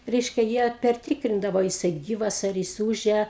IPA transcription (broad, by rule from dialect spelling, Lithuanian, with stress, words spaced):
ˈrʲɛɪʃʲkʲɛ jiɛ pʲɛrʲˈtʲiːkrʲɪndɐʋoː ɐ jɪˈsɐɪ ˈɡʲiːʋɐs ɐr ˈjɪs ˈuːʒʲɛ